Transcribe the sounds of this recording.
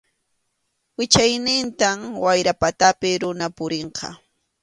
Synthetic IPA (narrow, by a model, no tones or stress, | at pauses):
wɪt͡ʃajnɪnt̪amwajɾapat̪apɪɾʊnapʊɾeɴqɑ̰